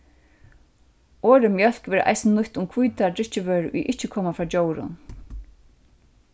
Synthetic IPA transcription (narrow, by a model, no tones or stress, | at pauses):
ɔːɾɪmjœl̥kʋɛːɾʔa̰jsnnʊht̪ʊmkʰujt̪atɪht͡ʃɪʋœːɹʊ̰jʔɪht͡ʃɪkʰɔːmafɾaːt͡ɕoːwɾʊ̰n